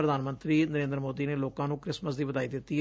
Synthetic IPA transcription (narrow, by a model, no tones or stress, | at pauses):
ɾəd̪ʱaːnmə̃nt̪ɾiːnəɾẽːnd̪ɾmoːd̪iːneːloːkãːnũːkɾɪsməsd̪iːʋəd̪aːiːd̪ɪt̪ːiː